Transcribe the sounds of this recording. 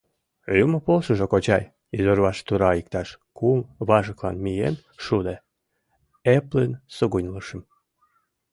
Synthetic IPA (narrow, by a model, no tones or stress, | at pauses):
yməpolʃəʒokot͡ɕɑj | izorβɑʃt̪uɾɑik̚t̪ɑʃ | kumβɑʒəklɑnmijḛn | ʃud̪e | eplensəɣunʲləʃə̆m